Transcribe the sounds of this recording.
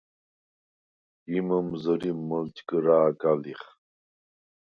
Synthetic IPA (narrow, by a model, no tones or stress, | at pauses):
iməmzəɾiməlt͡ɕkəɾaːkaliχ